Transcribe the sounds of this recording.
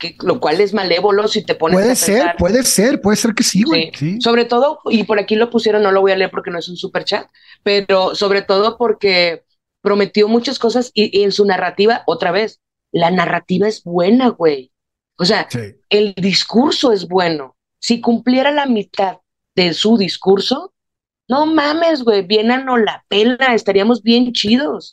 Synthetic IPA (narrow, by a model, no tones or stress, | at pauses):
kelo̞kwale̞zmale̞βo̞lo̞sit̪e̞po̞neeðeseɾaɾweðeseɾpweðeseɾkesiwisiso̞β̞ɾe̞t̪o̞ð̞o̞ipo̞ɾakilo̞pusje̞ɾonːo̞lo̞βo̞jale̞eɾpo̞ɾkenoesunsupe̞ɾt͡ʃat̪̚ | pe̞ɾo̞so̞β̞ɾe̞t̪o̞ðo̞po̞ɾke̞ | pɾo̞me̞t̪jo̞mut͡ʃasko̞s̬asiʔe̞nsunarat̪iβaʔo̞t̪ɾaβe̞s | lanarat̪iβae̞zbwe̞naɣwe̞j | ose̞a | e̞ld̪iskuɾso̞e̞zβwe̞no̞̰ | sikumplje̞ɾalamit̪að | ðe̞suðiskuɾso̞ | no̞mãme̞z̬ɣwe̞jbje̞nano̞lape̞lae̞st̪aɾiamo̞zβje̞nt͡ʃiðo̞s